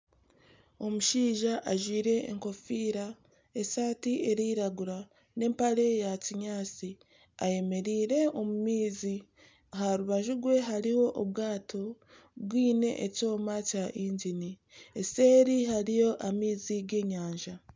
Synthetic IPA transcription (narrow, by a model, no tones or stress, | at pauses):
o̞muʃiːʒaʔaʒwiːɾe̞̰ːŋko̞fiːɾa | e̞saːtiʔe̞ɾiːɾaɡuɾa | ne̞ːmpaɾe̞jaciɲaːt͡si | a̰je̞me̞ɾiːɾe̞o̞mumiːzi | ahaɾuβaʒuɡwe̞ɦaɾiwo̞ʔoβwaːtʰo̞ | bwiːne̞̰ʔːco̞ːmacaʔiɲɟini | ese̞ːɾihaɾijo̞ʔamiːziɡe̞ːɲaːɲʒa